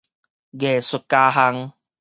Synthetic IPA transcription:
ɡe˨˩sʊ˧kːaː˧ɦa˧˦ŋ

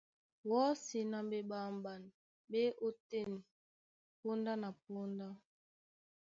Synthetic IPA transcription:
wɔ˦si˨na˦mbe˦ɓa˨m˨ba˨n˨ | be˦ʔo˦te˦˨n˨ | po˦nda˦na˨p̚o˦nda˦

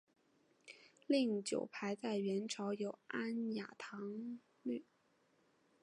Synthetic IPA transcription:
li˥˩ŋt͡ɕjo˨˩ʊpʰa˧˥ɪt͡sa˥˩ɪɥɛ˧˥nʈ͡ʂʰɑ˧˥ʊjo˨˩ʊa˥nja̰˨˩t̪ʰɑ˧˥ŋ | ly˥˩

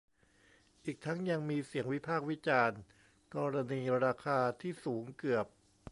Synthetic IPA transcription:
ʔiː˨˩k̚t̪ʰa˦˥ŋja˧ŋmiː˧si˨˩˦əŋwi˦˥pʰaː˥˩k̚wi˦˥t͡ɕaː˧n | kɔː˧ɾa˧niː˧ɾaː˧kʰaː˧t̪ʰiː˥˩suː˩˦ŋkɯ˨˩əp̚

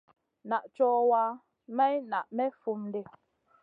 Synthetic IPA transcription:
na˨ʔt͡ʃɔː˦waː˦ | mɛ˦jna˨ʔmɛ˦fu˨mn˦de˨

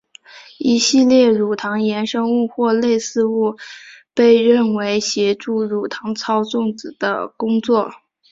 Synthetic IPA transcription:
i˧˥ɕi˥˧ljɛ˥˩ɻu˨˩t̪ʰɑ˧˥ŋjɛ˧˥nʂɤ˥ŋu˥˧xwɔ˥˧le˥˧ɪsɹ̩˥˧u˥˧pe˥˧ɪɻə˥˩nwe˧˥ɪɕjɛ˧˥ʈ͡ʂu˥˩ɻu˨˩t̪ʰɑ˧˥ŋt͡sʰɑ˥ʊt͡sʊ˥˩ŋt͡sɹ̩˨˩d̪̥ə̰˦kʊ˥ŋt͡swɔ˥˩

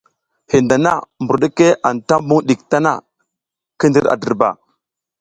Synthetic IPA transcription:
hi˨nda˨na˦˨mbu˨ɾɗə˦ke˦ʔa˨nta˦mbu˦ɗi˨k̚ta˦na̰˦ | kə˦ndi˦ɾa̰˨də˨ɾba̰˨

